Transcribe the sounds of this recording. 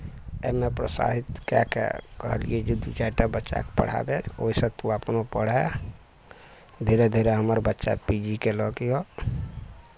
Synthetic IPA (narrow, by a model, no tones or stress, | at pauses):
emepɾəsa̰ɦit̪kɛkɛ̰kəɦəlḭjed͡ʒud̪ut͡ʃaiʈabətːʃa̰kepə̰ɽ̤a̰bed͡ʒo̰isə̃t̪uapnopəɽ̤ɛ | d̪ʱiɾed̪ʱiɾeɦəməɾbətːʃa̰pid͡ʒikelɔkijo